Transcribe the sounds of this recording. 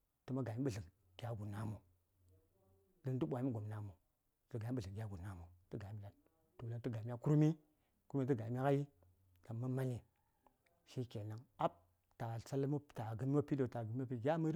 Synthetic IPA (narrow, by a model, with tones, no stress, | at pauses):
tɨ˦ma˦ɡa˨ji˦ɓɨ˨ɮə˨k | ɡ̥ʲa˨ɡu˨na˦mo˨ | dɨ˦ntu˦ɓʷa˨i˦i˦ɡo˨m˨na˨mo˨ | zə˨ɡa˨i˦ɓə˨ɮə˨ɡʲa˦ɡu˨na˦mo˨tə˦ɡa˨i˦m˨la˨ | to˨la˦ntɨ˦ɡa˨mʲ˦a˦ku˦ɾmi˦ | ku˦ɾmi˦tə˦ɡa˨mʲ˦a˦ka˦ji˦ | ka˨ma˦ma˦ɲi˨ | ʃi˦ke˨na˨ŋa˦p̚ | ta˨sa˦lmo˦˨ta˨ɡə˦m˦o˦pi˦do˨ta˨ɡm˦a˦pi˦˨ɡʲa˦mə˦ɾ